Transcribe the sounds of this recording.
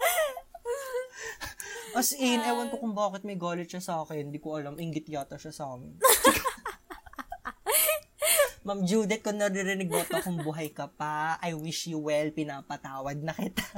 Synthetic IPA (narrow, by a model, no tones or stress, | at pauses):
ʔɐsɪnɐjwɐnkokʊŋbaːkɛt̪̚mɐjɡoːlɪʃɐsɐaːkɛnhɪnd̪ikoʔɐlamʔɪŋɡɪt̪̚joːt̪ɐʃɐsɐʔaːmɛnk | mɐmd͡ʒuːd̪ɛt̪̚kʊŋnɐɾɪɾɪnɪɡoːt̪ɐkʊŋbʊɦajkɐpɐɐjwiʃjʊwɛlpɪnaːpɐt̪aːwɐd̪̚nɐkɪt̪a